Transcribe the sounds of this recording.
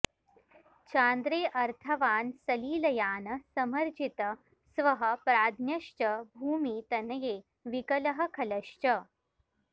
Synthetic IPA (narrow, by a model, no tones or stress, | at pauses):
t͡ʃaːnd̪ɾeːʔɐɾt̪ʰɐʋaːnsɐliːlɐjaːnɐsɐmɐɾd͡ʒʱit̪ɐ | sʋɐɦɐ̆pɾaːd̪ʱnjɐʃt͡ʃɐbʱuːmiːt̪ɐnɐjeː | ʋikɐlɐɦɐ̆kʰɐlɐʃt͡ʃɐ